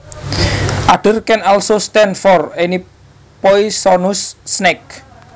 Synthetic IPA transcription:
ʔaɖ̥ə̤rkɛnalsost̪ɛnfɔreni | pɔisɔnusːnɛk̚

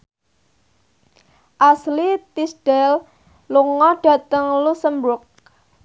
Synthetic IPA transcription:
ʔaslit̪isɖ̥ɛl | luŋɔɖ̥a̤t̪əŋlusəmbɾʊk̚

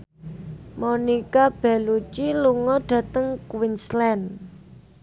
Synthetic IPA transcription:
monikab̥ɛ̤lut͡ʃiluŋɔɖ̥ä̤t̪əŋkwinslɛn

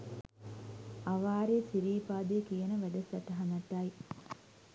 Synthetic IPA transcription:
aʋaːɾet͡ʃiɾiːpaːd̪eːkijənəʋæɖəsɐʈɐɦanɐt̪ːaj

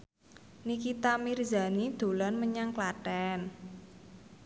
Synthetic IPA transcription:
nikit̪amirza̤nid̪̥o̤lanməɲaŋklaʈɛn

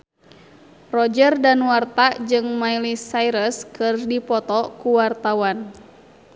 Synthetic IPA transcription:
rɔd͡ʒərdanwart̪ad͡ʒɨŋmailisaiɾəskɨrdipɔt̪ɔkuwart̪awan

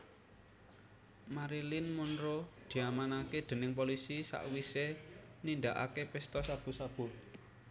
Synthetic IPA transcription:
maɾilinmunɾod̪̥i̤amanaked̪̥ə̤nɪŋp̬olisisa̰ʔwisenind̪aʔa̰kepɪst̪ɔsab̥ṳsab̥ʊ̤

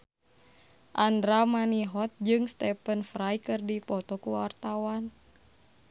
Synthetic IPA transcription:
ʔandɾamaniɦɔt̪̚d͡ʒɨŋst̪ɛpənfɾajkɨrdipɔt̪ɔkuwa̰rt̪awan

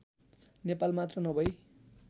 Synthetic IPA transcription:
nepalmat̪rʌnʌbʱʌj

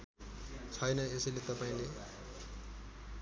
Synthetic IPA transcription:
t͡sʰʌjnʌesilet̪ʌpaĩle

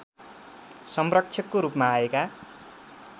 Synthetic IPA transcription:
sʌmrʌk̚t͡ʃʰjʌkːoɾupmaːeka

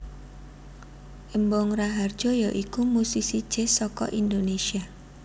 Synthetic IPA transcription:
ʔembɔŋraɦard̥ʒ̥ɔjaʔikumusihsid̥ʒ̥esɔkɔ̰ʔind̪onesia

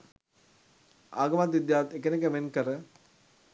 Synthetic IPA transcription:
aːɡəmat̪ʋid̪jaːʋɐt̪ekənek̬əmenkəɾə

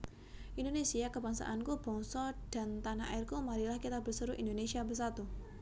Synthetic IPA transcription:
ʔindonesiakəbaŋsa̰ʔankub̥ɔ̤ŋsɔd̥a̤nt̪anaa̰ɪrkumaɾilahkit̪abərsəɾuʔindonesiabərs̬at̪u

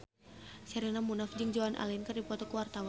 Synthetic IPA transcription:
sɛɾinamunafd͡ʒɨŋd͡ʒaanʔa̰linkɨrdipɔt̪ɔkuwart̪aw

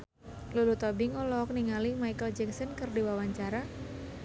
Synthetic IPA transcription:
lulut̪ɔbɪŋɔlɔk̚niŋalimajkəld͡ʒɛŋsənkɨrdiwawaɲt͡ʃaɾa

